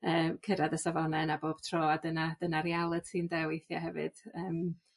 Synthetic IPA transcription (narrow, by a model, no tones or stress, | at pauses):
əːmkʰəɾadəsavɔlˠnɛnaboːb̥tʰroːadənad̥ənaɾialˠɨd̥sʰiːndɛwejθja̰ɦɛvɨ̰d̥əːm